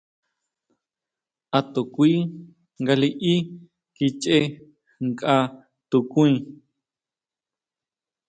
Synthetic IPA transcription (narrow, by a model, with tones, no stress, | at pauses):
ʔa˧t̪o˨kʷi˦ | ŋɡa˧li˧ʔi˦ | ki˧t͡ʃe˦ | ŋkʼa˧ | t̪u˧kũ˦ĩ˧